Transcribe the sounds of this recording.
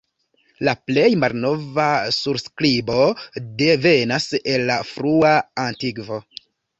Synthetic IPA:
laple̞jmalno̞vasuɾskɾibo̞de̞ve̞nase̞lːafɾuaantikvo̞

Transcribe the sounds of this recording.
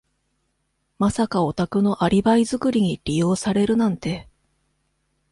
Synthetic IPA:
masakao̞t̪akɯ̟no̞ʔaɾʲibaizɨkɯ̟ɾʲiɲ̟iɾʲijo̞ːsaɾe̞ɾɯ̟nãnt̪e̞

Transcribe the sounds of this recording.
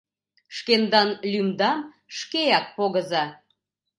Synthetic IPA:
ʃkend̪ɑnlʲymd̪ɑm | ʃkejɑk̚poɣəzɑ

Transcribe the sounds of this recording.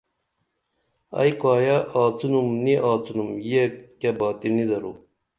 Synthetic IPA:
ɐ̰jkaːjɐʔaːt͡sunumniʔaːt͡sunumjekɐbaːt̪inid̪ɐɾu

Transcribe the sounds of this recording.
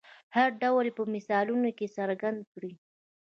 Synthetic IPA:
haɾɖawlpəmɪsɑlunokesaɾɡand̪̚kɽi

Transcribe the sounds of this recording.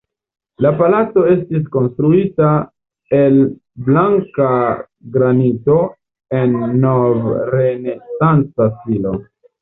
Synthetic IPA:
lapalat͡so̞e̞stis̬ko̞nstɾuita | e̞l | blaŋka | ɡɾanito̞ | e̞nːovɾe̞nesant͡sasilo̞

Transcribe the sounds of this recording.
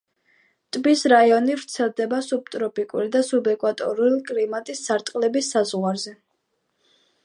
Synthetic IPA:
t̪ʼbisɾaiɔnivɾt̪sʰɛlˠd̪ɛbasub̚t̪ʼɾɔpʼikʼuɾid̪asubɛkʼwat̪ʼɔ̰ɾulikʼlimat̪ʼisːaɾt̪ʼqʼlɛbisːazʁwaɾzɛ

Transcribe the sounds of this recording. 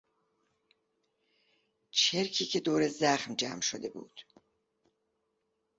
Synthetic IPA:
t͡ʃʰe̞ɾcʰiːcʰe̞d̪oːɾe̞zæχmd͡ʒæ̰ːmʃod̪e̞bṵːd̪̥

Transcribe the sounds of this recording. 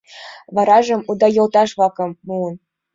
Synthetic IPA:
βɑɾɑʒɤ̆mud̪ɑjɤ̆lˠt̪ɑʃβɑkɤ̆mːuən

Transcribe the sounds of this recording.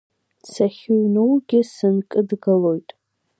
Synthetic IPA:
t͡sʰaχʲuɥnowɡʲɪsɨnkʼɨdɡalo̞jtʼ

